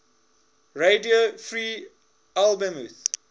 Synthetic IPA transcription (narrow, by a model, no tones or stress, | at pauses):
ɹediofɹiː | albə̃muθ